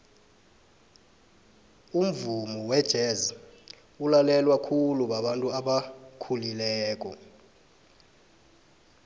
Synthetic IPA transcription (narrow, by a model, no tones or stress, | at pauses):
um̩vumɔwɛd̥ʒ̥ʱɛzi | ulalɛlwakʰuluɓaɓantʼuaɓakʰulilɛːk̬ʼɔ̰